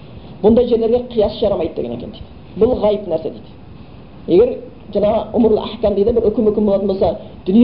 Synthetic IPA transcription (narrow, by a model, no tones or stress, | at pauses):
b̥ʊnd̪ɑjʒe̞ɾleɾɡʲeqʰijɑsəʒɑɾɑmɑjd̪əd̪e̞ɡʲḛekʰʲend̪ejd̪ɪ | bʊlˠʁɑjəpnæɾse̞d̪ejd̪ɪ̥ | e̞ɡʲe̞ɾ | ʒɑɴɑʁəʊmɾlˠə̰ʔæħkʲæmd̪ejd̪ebɪɾɵkʲɪmɵkʲɪmbolˠɑt̪ənbosɑd̪̥ʏnij